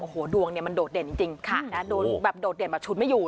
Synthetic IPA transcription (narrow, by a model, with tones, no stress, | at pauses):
ʔoː˨˩hoː˩˦du˧əŋni˥˩əma˧ndoː˨˩t̪̚de˨˩nt͡ɕi˧ŋt͡ɕi˧ŋkʰa˦˩na˦˥doː˨˩bɛː˨˩p̚doː˨˩t̪̚de˨˩nbɛː˨˩p̚t͡ɕʰu˦˥t̪m˥˩juː˨˩